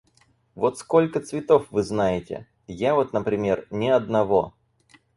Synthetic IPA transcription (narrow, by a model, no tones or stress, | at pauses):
vo̞t̪sko̞lʲkət̪svʲɪt̪o̞fvɨznajɪtʲɪ̰ | javot̪nəpɾʲɪmʲe̞rnʲɪɐd̪̚nɐvo̞